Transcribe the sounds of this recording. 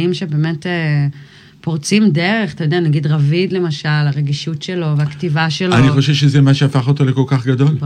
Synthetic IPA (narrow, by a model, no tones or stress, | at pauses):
imʃe̞be̞ːmete | po̞ʁt͡simdeʁe̞χat̪ajod̪eanaɡid̪ʁavid̪le̞maʃalaʁe̞ɡiʃutʃe̞lo̞veaktivaʃelaniχoʃevʃezɛmaʃeafaχot̪o̞lekolkaχɡad̪o̞l